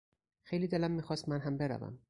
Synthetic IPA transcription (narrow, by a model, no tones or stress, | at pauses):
xejliːd̪e̞læmːiːxɒːst̪mænɦæmbeɾæ̰væ̰m